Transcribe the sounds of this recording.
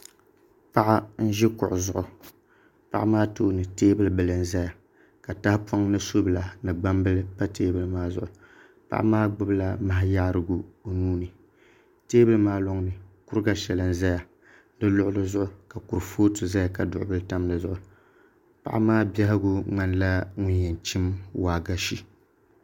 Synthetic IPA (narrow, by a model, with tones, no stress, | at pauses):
pa˦ʔa˦n̩˦ʒɪ˦kʊ̰˨ʔʊ˨zʊ˦ʔʊ˨ | pa̰˦ʔa˦maː˦toː˦nɨ˨teː˦bɨ˦lɨ˦bɨ˨lɨ˨n̩˦za˦ja˨ | ka˨ta˦hpo˦ŋnɨ˦so˦bɨ˨la˨nɨ˨ɡ͡ba˦mbɨ˦lɨ˦pa˦teː˦bɨ˦lɨ˦maː˦zʊ̰˦˨ʔʊ˨ | pa̰˦ʔa̰˦maː˦ɡ͡bʊ˦bla˦ma˨ɦɪ˦ja˦ɾɨ˦ɡʊ˨o˨nuː˦nɨ˨ | teː˦bɨ˦lmaː˦lo˦ŋnɨ˨kʊ˦ɾɡa˦ʃɛ˨lɨ˦n̩˦za˦ja˨ | dɨ˦lʊ˦ʔʊ˦lɨ˦zʊ˦ʔʊ˨ka˨ku˨ɾfoː˦tɨ˨za˦ja˨ka˨dʊ̰˨ʔʊ˦bɨ˦lɨ˦ta˦m˦lɨ˨zʊ˨ʔʊ˨ | pa̰˨ʔa˦maː˦bɛ˦hɪ˦ɡʊ˦ŋ͡ma˦n˦la˦ŋʊ˦njɛ˨nt͡ʃi˦mwaː˨ɡa˦ʃi˦